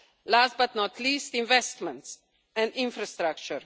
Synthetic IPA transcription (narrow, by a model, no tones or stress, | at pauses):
last̚bat̪nɔtʰliːstĩnvɛstmɛ̃nts | ɛ̃ndɪ̃nfɾast̪ɾak̚t͡ʃəɾ